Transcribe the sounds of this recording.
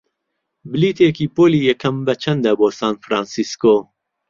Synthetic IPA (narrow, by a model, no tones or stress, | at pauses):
bɨliːt̪ʰeːkiːpoːliːjɛkʰɐmbɐt͡ʃʰɐnd̪ɐboːsaːnfɾaːnsiskoː